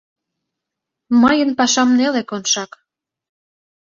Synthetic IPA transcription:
mɤjənpɑʃɑmnelekonʃɑk

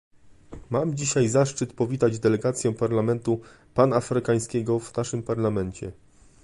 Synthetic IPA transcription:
mamd͡ʑiɕajzaʂt͡ʂɘt̪pɔvʲit̪ad͡ʑd̪ɛlɛɡat̪sʲjɛ̃paɾlamɛnt̪u | panaːfɾɘkaj̃skʲɛɡɔvnaʂɘmpaɾlamɛnt͡ɕɛ̰

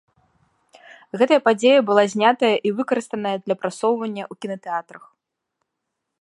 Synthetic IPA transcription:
ɣɛt̪ɐjɐpad͡zʲejɐbɨlˠazʲnʲat̪ɐjɐʔivɨkɐɾɨst̪ɐnɐjɐd̪lʲɐpɾasɔwvɐnʲːɐwkʲinɐt̪ɛat̪ɾɐx

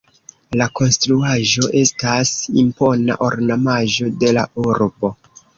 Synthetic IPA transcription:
lako̞nstɾuaʒo̞ʔe̞stasimpo̞na̰ʔoɾnamaʒo̞de̞la̰uɾbo̞

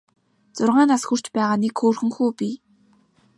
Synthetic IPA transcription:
t͡sʊrʁaːnasxur̥t͡ɕpæːʁaːnekxoːrxɘ̆ŋxuːpi

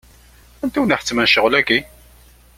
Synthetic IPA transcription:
ænt̪iwniħə̥t͡sːmænʃəʁlæɡi

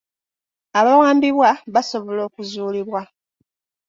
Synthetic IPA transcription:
aβawaːmbiβwaβaso̞βo̞lo̞ːkuzuːliβwa

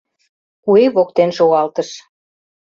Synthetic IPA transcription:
kueβok̚t̪enʃoɣɑlt̪əʃ

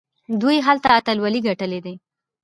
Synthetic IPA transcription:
d̪ujɦalt̪aːt̪alwaliɡaʈəled̪e

